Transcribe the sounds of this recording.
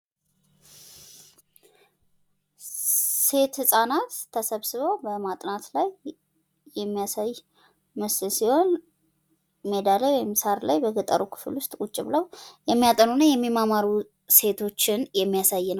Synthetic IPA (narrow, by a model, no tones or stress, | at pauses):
se̞t̪hɨsʼanat̪ʰːəsəβsɨβowbəmat̪ʼnat̪laj | jɛmːijasaj | məsɨlsiho̞n | me̞d̪alewɔjmːisaɾlajbəɡət̪ʼə̰ɾukʰɨ̥fɨlʊst̪ʼkʼut͡ʃʼːɪβləwjɛmːijat̪ʼənunəjɛmːimamaɾu | se̞t̪ʰo̞t͡ʃːɪnjɛmːijasajːɪnəw